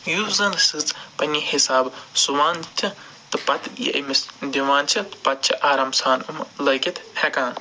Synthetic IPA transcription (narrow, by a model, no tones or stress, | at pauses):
juːzɐnsɨt͡spɐnʲiːhisaːbsuʋaːnt͡ʃʰi | t̪ɨpɐt̪ʰjḭʔɐ̰misd̪ʲiʋãːnt͡ʃʰit̪ɨ̥pɐt̪̚t͡ʃʰiʔaːɾamsaːnumlɐkʲit̪hɛkãːn